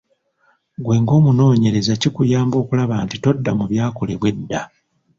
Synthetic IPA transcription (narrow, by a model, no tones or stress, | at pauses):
ɡwe̞ːŋɡo̞ːmuno̞ːɲe̞ɾe̞zacikujaːmbo̞ːkulaβantito̞dːamuβjaːko̞le̞βwe̞dːa